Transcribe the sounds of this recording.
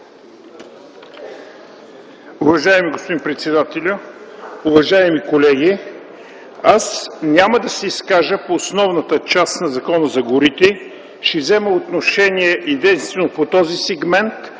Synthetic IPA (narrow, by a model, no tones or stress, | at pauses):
uvɐʒaɛmiɡospod̪inpɾɛt̪sɛd̪at̪ɛlʲʊʊvɐʒaɛmikolɛɡ̟ʲi | asnʲaməd̪ɐsɛiskaʒəpoːsnɔvnət̪ət͡ʃast̪nɐzɐkɔnəzɐɡʊɾit̪ɛ | ʃɛvzɛməot̪noʃɛniɛʔɛd̪ĩnst̪vɛnopot̪ɔzisɛɡmɛnt̪